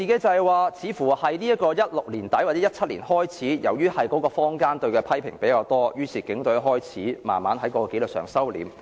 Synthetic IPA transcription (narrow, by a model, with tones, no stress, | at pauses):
iː˨˧ke˨˥jt͡sɐ˨˧ɛ˨jwaː˨˧t͡sʰiː˨˧fuː˨˩hɐ˨jliː˥ɐ˥t̚kɔː˧jɐ˥t̚lʊ˨k̚liː˨˩nt̪ɐ˨˥jwa˨˩t͡sɛ˨˦jɐ˥t̚t͡sʰɐ˥t̚lḭː˨˩nhɔː˥jt͡sʰiː˨˥jɐ˨˩wjyː˥hɐ˨jkɔː˨˥kɔː˧fɔː˥ŋkaː˥nt̪ɵ˧ɥkɛː˧pʰɐ˥jpʰɪ̰˨˩ŋpe˨˥jkaː˧wt̪ɔː˥jyː˥t͡sʰiː˨˩kɪ˨˥ŋt̪ɵ˨˥ɥɦɔː˥jt͡sʰiː˨˥ma̰ː˨nmaː˨˥nɦɐ˨˥jkɔː˧˥kɔː˧ke˨˥jlɵ˨k̚sœ̰ː˨˩ŋsɐ˥wlḭː˨˥m